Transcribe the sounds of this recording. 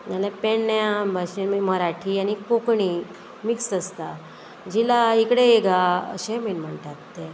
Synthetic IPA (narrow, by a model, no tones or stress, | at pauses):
malepeɳːjabaɕenmiməɾaʈʰianikokɳi | miksəst̪a | d͡ʑilaikɽeeɡa̰ɕeminm̤əɳt̪at̪ːe